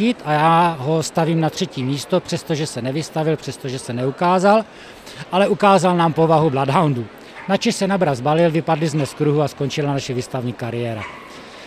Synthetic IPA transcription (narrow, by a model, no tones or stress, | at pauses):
ɪt̪ajaːɦo̞st̪aviːmnat̪r̝̥ɛciːmiːst̪o̞pr̥ɛst̪oʒɛsɛnɛvɪst̪avɪlpr̝̥ɛst̪oʒɛsɛnɛukaːzal | ʔalɛʔukaːzalnaːmpo̞vaɦubladɦawndu | nat͡ʃɛʃsɛnabɾazbalɪlvɪpadlɪzmɛskɾuɦuasko̞nt͡ʃɪlanaʃɛviːst̪avɲiːkaɾɪjɛːɾa̰